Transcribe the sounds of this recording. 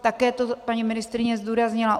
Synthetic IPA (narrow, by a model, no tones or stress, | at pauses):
t̪akɛːt̪opaɲimɪnɪst̪ɾɪɲɛzd̪uːɾazɲɪlaʔ